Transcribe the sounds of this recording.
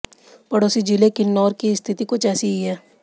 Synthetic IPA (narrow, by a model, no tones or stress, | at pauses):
pɐɽoːsid͡ʒilekinːɔːɾkiɪst̪ʰɪt̪ikot͡ʃɛːsiiɦɛː